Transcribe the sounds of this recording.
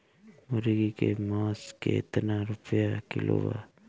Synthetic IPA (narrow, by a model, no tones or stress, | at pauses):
moɾiɡikemosket̪anaɾupʰeakilo̰βa